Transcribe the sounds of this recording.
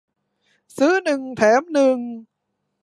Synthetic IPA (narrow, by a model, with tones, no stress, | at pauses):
sɨ˨˦˥nɨ˨˩ŋt̪ʰɛː˨˩˦mnɨ˨˩ŋ